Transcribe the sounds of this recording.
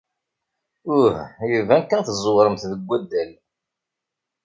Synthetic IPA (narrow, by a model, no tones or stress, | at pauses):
ʊhjəvænkːænθzˤʊɾˤəmθðəɡʷːæd̪ːæl